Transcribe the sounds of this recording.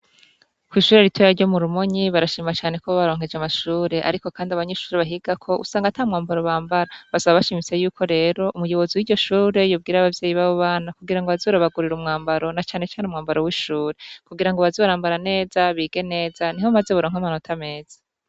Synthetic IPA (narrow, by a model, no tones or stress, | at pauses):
kwiːʃuːɾeɾitwejaɾɟo̞muɾumoɲiβaɾaʃiːmat͡ʃaːne̞koββaɾo̞ːŋ̥e̞d͡ʒamaʃuːɾe̞ʔa̰ɾiko̞kaːndiaβaɲeʃuːɾeβaɦiɡakʰo̞ʔṵsaːŋɡatamŋaːmbaɾoβaːmbaɾaβasaβaβaʃimit͡se̞juːkʰo̞ɾe̞ːɾo̞ʔumujo̞βo̞ziwiːɟo̞ʃuːɾe̞joːb̚ɡiːɾaβavjeːjiβaːβoβaːnakuɡiɾaŋɡoβazoɾaβaɡuɾiɾumŋaːmbaɾo̞nat͡ʃaːne̞t͡ʃaːneumŋaːmbaɾowiːʃuːɾe̞kuɡiɾaŋɡoβazoβaɾaːmbaɾane̞ːzaβiːɡe̞ne̞ːzanihomaze̞βuɾoːŋhamano̞tʰame̞ːz̥ḁ